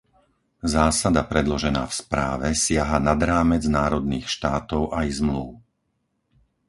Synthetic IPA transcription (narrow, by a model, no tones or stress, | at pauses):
zaːsad̪apɾɛd̪lɔʒɛna̰ːfspɾa̰ːʋɛsɪaɦanad̪ɾaːmɛd͡znaːɾɔd̪niːxʃt̪aːt̪ɔʊʔajzmluː